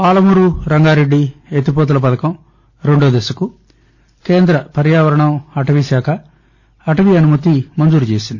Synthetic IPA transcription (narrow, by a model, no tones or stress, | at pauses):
paːlɐmuɾuɾɐŋɡaːɾe̞ɖːiet̪ipot̪ulɐp̬ɐd̪ɐkɐm | ɾe̞ɳɖoːd̪esɐku | keːnd̪ɾɐpɐɾjaːʋɐɾɐɳɐmɐʈɐʋisaːkʰɐː | ʈɐʋiɐnumɐt̪imɐnd͡ʒuːɾut͡ʃeːsind̪i